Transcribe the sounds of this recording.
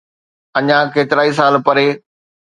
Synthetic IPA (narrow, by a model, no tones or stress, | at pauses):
ɐɲãkeːt̪ɪɾaːis̬aːlpɐɾeː